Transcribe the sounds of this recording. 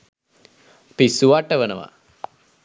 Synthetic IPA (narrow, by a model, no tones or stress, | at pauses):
pisuʋaʈːəʋənəʋa̰